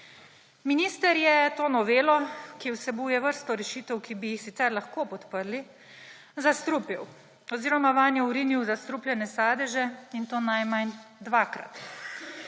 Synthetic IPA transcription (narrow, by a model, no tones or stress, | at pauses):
miniːst̪ɛɾjɛt̪oːnɔʋeːlɔkiwsɛbuːjɛʋəɾst̪ɔɾɛʃiːt̪ɛwkibijixsit̪sɛɾlaxkopɔt̪pəɾli | zast̪ɾupiw | ɔziːɾɔmaʋanjɛuɾiniwzast̪ɾuplʲjɛnɛsaːd̪ɛʒɛint̪oːnajmand̪ʋakɾa̰t̪